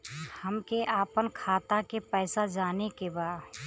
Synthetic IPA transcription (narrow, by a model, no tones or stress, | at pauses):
həmkeʔaːpənkʰaːt̪akepɛːsad͡ʒaːnekebaː